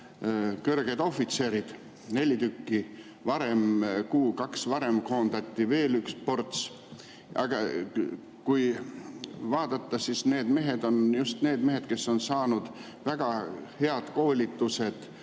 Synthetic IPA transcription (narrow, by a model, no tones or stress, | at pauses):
kørɡ̥ed̪o̞fːit̪se̞ːɾid̪̥ | ne̞lʲit̪ykːi | vɑɾe̞mkuːkɑksvɑɾe̞mko̞ːnd̪̥ɑt̪ʲːive̞ːlykspo̞rt̪s | ʔɑ̰ɡ̥ɑ | kuj | vɑːd̪̥ɑt̪ːɑsisne̞ːd̪̥me̞ɦe̞d̪o̞njust̪ne̞ːd̪me̞ɦe̞d̪̥ke̞sːo̞nsɑːnud̪̥ | væɡ̥ɑhe̞ɑd̪̥ko̞ːlʲit̪ːuse̞d̪̥